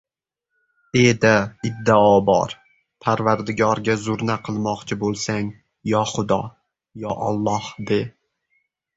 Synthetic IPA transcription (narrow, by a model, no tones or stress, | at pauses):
ed̪aɪd̪ːɪɒbɒ̰ɾ | pʰaɾvaɾd̪ɪɡʲɒɾɡʲazʊɾnaqʰɨlˠmɒqt͡ʃʰɪbolˠsaŋ | jɒχʊd̪ɒ | jɒʔɒ̰lˠːɒhd̪e